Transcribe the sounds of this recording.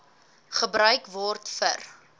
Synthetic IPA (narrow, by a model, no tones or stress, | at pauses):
χəbɾœɥkvɔrtfə̰r